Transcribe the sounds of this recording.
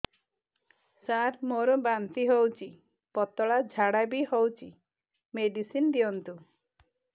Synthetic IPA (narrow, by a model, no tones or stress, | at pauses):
saɾmoɾɔbant̪iɦowt͡ʃʰi | pɔt̪ɔɭad͡ʒʱaɽabihowt͡ʃʰi | meɖisind̪iɔnt̪u